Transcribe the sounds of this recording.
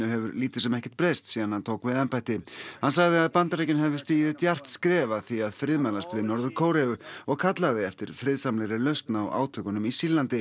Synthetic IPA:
ʏɦɛvʏɾliːt̪ɪsɛmɛhcɛ̥t̪pɾejst̪siːðanhant̪ʰowkvɪðɛmpajht̪ɪhans̬aɣðɪaðpant̪aɾejcɪnɦɛvðʏst̪iːðɪt̪jar̥t̪skɾɛːvaθiaðfɾɪðmɛːlast̪ɪðnɔɾðʏɾkʰoːwɾɛɣʏɔɣkʰat̪laɣðɪɛft̪ɪɾ̥fɾɪðsamlɛɾɪlœɥst̪nawa̰ːwt̪ʰœkʏnʏmisillːant̪ɪ

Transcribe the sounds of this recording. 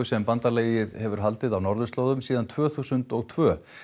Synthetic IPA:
ʏsɛmpant̪aleːjɪðhɛvʏɾ̥ɦalt̪ɪðawnɔɾðʏst̪loːwðʏmsiːðant̪ʰv̥œːθusʏnt̪ɔɣt̪ʰv̥œː

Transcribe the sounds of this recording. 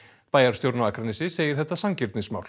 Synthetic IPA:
paːjaɾ̥st̪jowɾt̪naakɾanɪsɪseːjɪɾ̥θɛht̪ːasamcɪɾt̪nɪsma̰wl

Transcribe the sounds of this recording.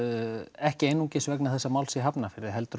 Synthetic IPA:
ɛhcɪejnucɪsvɛknaθɛsːamawlsiɦapnafɪɾɪðɪɦɛlt̪ɾ

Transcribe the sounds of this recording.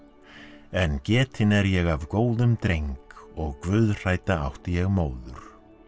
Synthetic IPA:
ɛncɛːt̪ʰɪnɛɾjɛɣavkoːwðʏmt̪ɾejŋkɔɣkvʏðr̥aːjt̪aa̰wht̪ɪjɛɣmoːwðʏ̰ɾ̥

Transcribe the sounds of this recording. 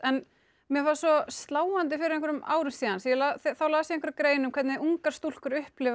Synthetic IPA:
ɛn | mjɛfaɾsɔst̪laːwant̪̬ɪfɪɾɪɾɛ̃ŋkvɛɾʏma̰ːwɾʏmsiːðansjɛlaθθawlaːsjɛɛ̃ŋkvɾkɾeːjnʏmkʰvɛɾt̪nɪʔuŋkaɾ̥st̪ul̥kʏɾʏhplɪv

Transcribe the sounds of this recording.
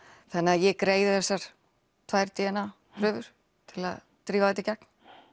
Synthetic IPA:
θanɪajɛkɾeːjðɪθɛsːaɾ̥ | t̪ʰvaɾt̪jɛna | r̥ʏːvʏɾ̥ | t̪ʰɪla̰ð | t̪ɾiːvaðɛt̪ːicak̚n̥

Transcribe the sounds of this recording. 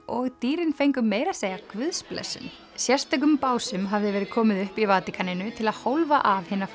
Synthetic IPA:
ɔɣt̪iːɾɪnfejŋkʏmeːjɾḁseːjɣakvʏðsplɛ̰sːɪ̰n | sjɛr̥st̪ɛk̬ʏmpaːwsʏmɦavðɪvɛɾɪðkʰɔːmɪðʏhpivaːt̪ikʰanɪnʏt̪ʰɪlaðhowlvaʔav̥hɪːna

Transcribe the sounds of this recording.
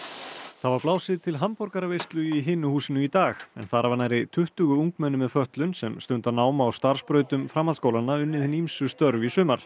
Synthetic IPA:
θavaɾplaːwsɪðt̪ʰɪlɦampɔɾkaɾavejst̪lʏiɦɪnːʏhuːsɪnʏit̪aːxɛ̰nθaɾavaɾnaːjɾɪt̪ʰʏht̪ʏɣʏuŋkmɛnːʏmɛðfœht̪lʏnsɛmst̪ʏnt̪anaːwmaːwst̪aɾ̥spɾœːɥt̪ʏmfɾamːaðskowlanːaʏnːɪθɪnimsʏst̪œɾvisʏːmaɾ̥

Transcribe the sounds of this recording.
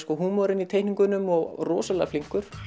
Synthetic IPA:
skɔɦuːmɔɾɪnit̪ʰeːjhniŋkʏnʏmɔɣrɔːsala̰ːɣfliŋkʏɾ̥

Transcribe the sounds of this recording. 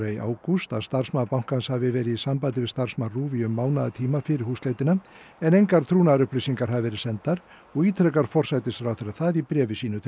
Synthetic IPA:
ɾaiʔa̰ːwkust̪aðst̪ar̥smaðpawŋ̥kanshavɪvɛːɾɪisampat̪̬ɪvɪðst̪ar̥smaruːviʏmːaːwnaðat̪ʰiːmafɪɾɪɾ̥huːsleːjt̪ɪna | ɛnejŋkaɾ̥t̪ʰɾuːnaɾʏhplisiŋkaɾ̥ɦavɪvɛːɾɪ̥sɛnt̪aɾ | ɔɣiːt̪ʰɾɛkaɾ̥fɔr̥sajt̪ɪsɾawθɛːɾaθaðipɾɛːvɪsiːnʏθ

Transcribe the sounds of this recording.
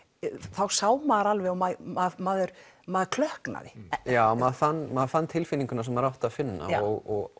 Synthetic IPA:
θawsaːwmaðɾalvɛɔmamaðmaːðʏɾ̥ | maːðkʰlœhkna̰ðɪ̰jaːmaðθanːmaðθanːt̪ʰɪlfɪniŋkʏnasɛmaɾawht̪aðfɪnːa̰ɔɣɔɣ

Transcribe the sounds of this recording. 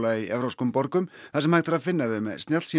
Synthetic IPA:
laiɛvɾɔskʏmpɔɾkʏmasɛmakt̪aɾaðfɪnːaðʏmɛ̰ðst̪njat̪si

